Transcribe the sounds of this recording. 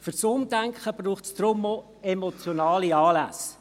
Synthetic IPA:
fyɾsʊmdæŋkχəb̥ruːχtsd̥̪ɾʊmo | emot͡sjonɑːliɑːlæ̰s

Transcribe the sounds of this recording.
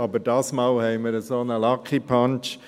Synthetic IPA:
ɑbədɑːsmɑlhɛɪməɾəsonəlɑkʰipʰɑnt͡ʃ

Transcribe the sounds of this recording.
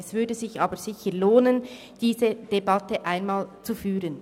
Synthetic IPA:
ɛsv̥ʏdəzɪçʔɑːbəz̥ɪçəloːnən | d̥iːzəd̥ebɑtəʔaɪnmaːlt͡sufyːʁən

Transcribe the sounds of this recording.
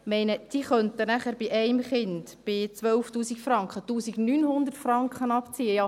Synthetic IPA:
mɛɪnəd̥iχœntənæχæɾb̥ɪʔɛɪmχɪndb̥ɪt͡sʋœlftuːsikfrɑŋkχətuːsiɡnyːnhʊnd̪ərtfrɑŋkχənɑpt͡siːəjɑ

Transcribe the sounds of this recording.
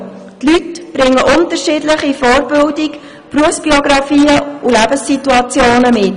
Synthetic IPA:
tlytb̥ɾɪŋːəʔʊntəɾʃɪːdləχifɔːɾbɪldik | pruəfsb̥iɔɡɾɑfiːəulæbəsːituɑt͡sjoːnəmɪt

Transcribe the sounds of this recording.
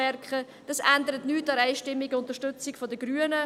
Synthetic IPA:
ɛrkχə | d̥ɑsændəɾətnyːtːɑɾæɪʃtɪmːiɡʊnt̪əʃtʏt͡sɪkfɔdəɡɾyənə

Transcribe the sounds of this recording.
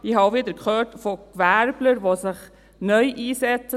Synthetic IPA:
ihɑːʋɪd̪əɾkχøːtfokvæɾbləɾʋosɪχ | nœʏʔiːsɛt͡sə

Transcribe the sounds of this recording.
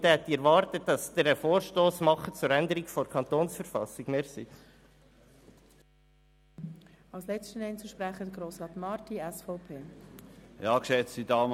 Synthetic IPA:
t̪ɛɛt̪iɛɾʋɑːrt̪ət̚dɑsd̪əɾəfoːɾʃtoːsmɑχət͡suɾɛnd̪əɾikfoɾkʰɑnt̪oːnsfəɾfɑ̰sɪɡ̥meːɾsi | ɑwslɛt͡sstənɛɪnt͡suʃpɾæχədəɡɾoːsʁɑːt̪mɑːɾtiɛsfɔʊpʰeː | jɑːkʃɛt͡sidɑːm

